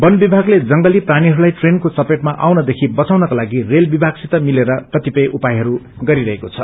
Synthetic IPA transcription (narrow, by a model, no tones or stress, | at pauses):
bʌnbibʱaɡled͡zʌŋɡʌliprañiɦʌɾulajʈrenkosʌpeʈmaʔawnʌd̪ekʰibʌt͡sawnʌkolaɡirelbibʱaɡsit̪ʌmileɾʌkʌt̪ipʌjʔupajɦʌɾu | ɡʌɾiɾʌɦekot͡sʰʌ